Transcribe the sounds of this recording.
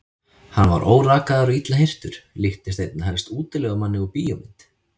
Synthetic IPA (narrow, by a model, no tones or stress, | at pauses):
hanva̰ɾʔo̰ːwraːkaðaɾʏit̪laɦejr̥t̪ʏɾ̥lɪht̪ɪst̪ejt̪̚nahɛlst̪uːt̪ɪlɛɣamanːɪupiːjɔmɪnt̪